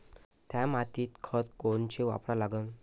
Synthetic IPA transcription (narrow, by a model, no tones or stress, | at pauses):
t̪jamat̪iːt̪kʰət̪koɳt͡ɕeʋa̰pɽalaɡən